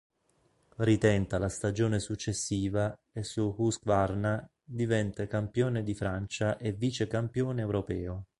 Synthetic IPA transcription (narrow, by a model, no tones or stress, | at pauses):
rit̪ɛnt̪alast̪ad͡ʒoːnesut͡ʃːesːiːva | esːuhuskvarna | d̪ivɛnt̪akampjoːned̪ifɾant͡ʃaʔeviːt͡ʃekampjoːneːwɾopɛːo